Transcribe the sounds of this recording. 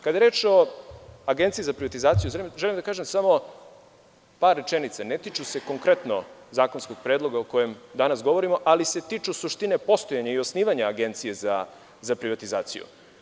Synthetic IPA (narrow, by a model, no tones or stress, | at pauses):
kad̪ajeɾe̞ːt͡ʃo̞aɡent̪sijizapɾiʋat̪izaːt̪sijuʒelʒelimd̪akaːʒe̞msamo̞ | paːɾːe̞t͡ʃenit̪sanet̪it͡ʃuse̞ko̞ŋkɾe̞t̪nozaːko̞nsko̞ɡ̥̚pɾed̪lˠo̞ɡaoko̞je̞md̪anasɡo̞ʋo̞ɾimo̞ʔalise̞t̪iːt͡ʃusuʃt̪ine̞po̞st̪o̞jaɲaio̞sniːʋaɲaaɡe̞nt̪sije̞za | zapɾiʋat̪izaːt̪sḭjṵ